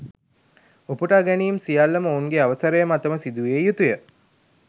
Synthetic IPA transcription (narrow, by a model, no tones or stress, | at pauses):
opuʈaɡæniːmsijalːəməouŋɡeaʋəsəɾəjəmat̪əməsid̪uʋejut̪ujə